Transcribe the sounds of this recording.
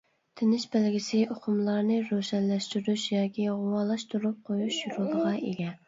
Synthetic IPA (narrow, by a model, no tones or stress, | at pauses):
t̪ʰɪnɪʃbælɡʲɪsɪoqʰʊmlˠɑɾnɨɾoʃɛnlɛʃt̪yɾyʃjɑːkʲʰiʁʊwɑːlˠɑʃt̪uɾup̚qʰojuʃjuɾuld̪əʁɑʔḛɡʲɛ